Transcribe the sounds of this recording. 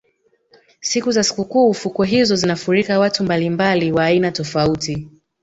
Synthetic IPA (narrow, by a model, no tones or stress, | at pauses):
sikuzasi̥kukuːfukɔɦizɔzinafuɾikawatumbalimbaliwaːinatɔfauti